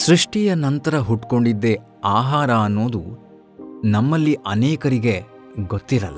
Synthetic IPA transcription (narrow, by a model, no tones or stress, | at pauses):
sɾiʂʈijɐnɐnt̪ɐɾɐɦuʈko̞ɳɖid̪ːe̞ | aːɦaːɾɐːnːo̞ːd̪u | nɐmːɐlːiʔɐnɛːkɐɾiɡe̞ | ɡot̪ːiɾɐ̰lːɐ